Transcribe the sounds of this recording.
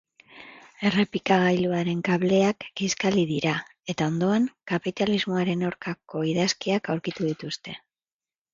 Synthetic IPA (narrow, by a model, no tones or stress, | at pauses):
e̞re̞pikaɣajluaɾe̞ŋkaβle̞akɡiskaliðiɾae̞t̪ao̞nd̪o̞aŋkapit̪alizmo̞aɾe̞naɾkako̞iðaskiakawɾkit̪uðit̪ust̪e̞